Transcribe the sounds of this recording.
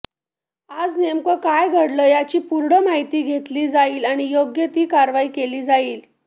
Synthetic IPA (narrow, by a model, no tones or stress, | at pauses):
ad͡znemkəkajɡʱəɽləːjat͡ɕiːpuɾɽəmaɦit̪iːɡʱet̪liːd͡zaiːlaɽ̃ijoɡjət̪iːkaɾʋaiːkeliːd͡zaiːl